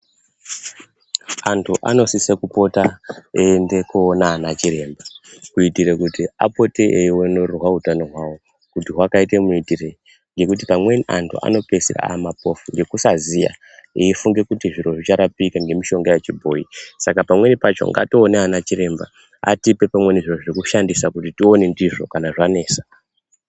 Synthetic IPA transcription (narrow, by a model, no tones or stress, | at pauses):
antʰuʔa̰no̞sisekupo̞taendekuːnaːnat͡ʃiɾe̞ːmbakuitiɾekutia̰po̞teʔeiwenorrwaɦutano̞ɦwawo | kutiɦwakaitemuitire | ŋɡe̞kutipamwe̞nʔa̰ntʰṵa̰no̞pe̞sira̰mapo̞fuŋɡe̞kusazija̰ | iifuŋɡe̞kutiʐiɾo̞ʐit͡ʃaɾapikaŋɡe̞miʃo̞ŋɡajet͡ʃibʱo̞isakapamwe̞nipat͡ʃo̞̰ŋɡa̰toːneanat͡ʃiɾe̞mba̰ | a̰tipe̞pamwe̞niʐiroʐiikuʃandisakutitio̞ne̞ndiʐokanaʐane̞ːsḁ